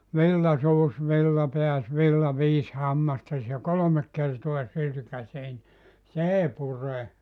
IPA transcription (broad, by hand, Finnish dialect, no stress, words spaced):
ʋilːɑ suːs ʋilːɑ peæs ʋilːɑ ʋiːs hɑmːɑstɑs jɑ kolomek kertoɑ sylkæseː ni s eˑi pure